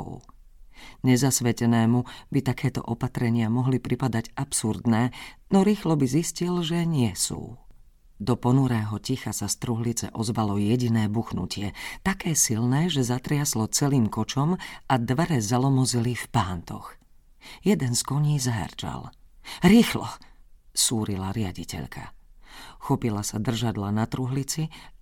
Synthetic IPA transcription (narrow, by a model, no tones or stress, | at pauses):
ɲɛzasʋɛcɛnɛːmubit̪akɛːt̪ɔ̰ʔɔpat̪ɾɛɲɪamɔɦlipɾipad̪aɟapsuɾd̪nɛːnɔɾiːxlɔbiziscilʒɛɲɪɛsṵː | d̪ɔpɔnuɾɛːɦɔcixasast̪ɾuɦlit͡sɛ̰ʔɔzʋalɔjɛɟinɛːbuxnṵcɪɛt̪akɛːsilnɛːʒɛzat̪ɾɪaslɔt͡sɛliːmkɔt͡ʃɔmad̪ʋɛɾɛzalɔmɔzilifpaːnt̪ɔ̰x | jɛd̪ɛnskɔɲiːzaɦɛ̰ɾd͡ʒa̰lɾiːxlɔ̰suːɾilaɾɪaɟicɛ̰ʎkʰa̰ | xɔpilasad̪r̩ʒad̪lanat̪ɾuɦlit͡si